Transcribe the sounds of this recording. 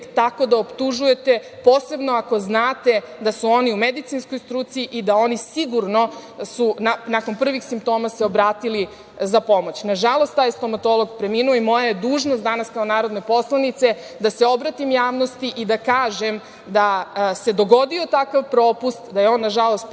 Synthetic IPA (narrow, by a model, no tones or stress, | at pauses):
t̪ako̞d̪aopt̪uʒuje̞t̪e̞po̞ːse̞bno̞ako̞znaːt̪e̞ | d̪asuo̞niumed̪it̪sinskojst̪ɾuːt̪siiʔid̪ao̞nisiɡuɾno̞sunanako̞npr̩ʋixsimp̚t̪o̞ːmase̞o̞bɾaːt̪ili | zapo̞mot͡ɕnaʒalˠost̪t̪aːjst̪o̞mat̪o̞lˠoɡpɾe̞minuoimo̞jajed̪uːʒnost̪d̪anaskaonaːɾo̞d̪ne̞po̞slˠanit̪se̞ | d̪aseo̞bɾat̪imjaːʋno̞st̪iʔid̪akaːʒem | d̪ase̞d̪o̞ɡo̞d̪io̞t̪akaʋpɾo̞ːpust̪d̪ajeo̞nːaʒalo̞st̪